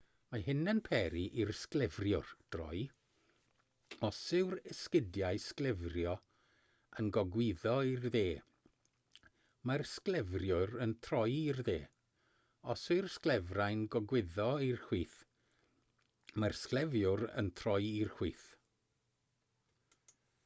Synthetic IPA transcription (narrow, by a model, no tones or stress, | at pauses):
maɦɪnənpʰɛɾiʔirsklɛvrjʊrd̥rɔ̰j | ɔsɪwrɪskɪdjajsklˠɛvrjɔ | ənɡɔɡwɪðɔirðeː | marsklˠɛvrjʊɾəntʰrɔjirðḛː | ɔsɪrsklɛvrajnɡɔɡwɪðɔirhwiːθ | marsklˠɛvjʊɾə̰ntʰrɔɨirχw̥iːθ